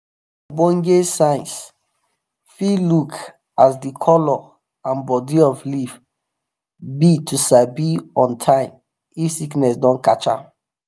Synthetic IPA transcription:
bɔ̃ŋɡesãɪ̃ns | filuk | asdikʰɔlɔ | ãnbɔdiɔflif | bitʰusabiɔ̃ntʰãɪ̃m | ifsiknɛsdɔ̃nkat͡ʃa̰

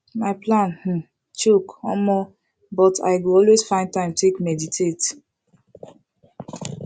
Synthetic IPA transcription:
maɪplãnh̩ | t͡ʃukɔ̰̃mɔ | bɔta̰ɪɡuɔlwesfãɪ̃ntãɪ̃mtʰekmɛditʰet

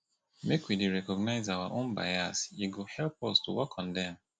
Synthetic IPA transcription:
mekwidiɹɛkɔɡnaɪzawaʔõnba̰ɪasiɡohɛlpɔstuwɔkʰɔ̃ndɛ̃m

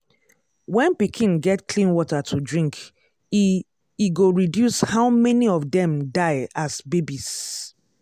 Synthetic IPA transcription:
wɛ̃npikʰĩnɡɛtkʰlĩnwɔtatʰudɹĩŋk | iɡoɹidjushaʊmɛniɔfdɛ̃mdaɪasbebis

